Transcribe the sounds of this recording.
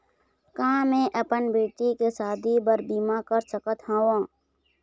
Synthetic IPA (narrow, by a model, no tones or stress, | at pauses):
kãːmẽːʔəpənbeːʈikesaːd̪ʱibəɾbiːmakəɾt͡ʃəkət̪hãːwãː